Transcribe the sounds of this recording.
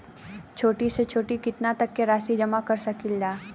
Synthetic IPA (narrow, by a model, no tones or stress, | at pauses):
t͡ʃʰoːʈiset͡ʃʰoːʈikɪt̪nat̪ɐkːeɾaːsid͡ʒɐmakɐɾsɐkilːaː